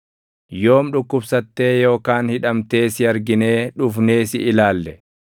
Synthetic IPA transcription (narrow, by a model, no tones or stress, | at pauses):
jo̞ːmᶑʊkːʊbsɐt̪ːe̞ːjo̞ːkaːnhɪᶑɐmt̪e̞ːsɪɐɾɡɪne̞ːᶑʊfne̞ːsɪʔɪlaːlːɛ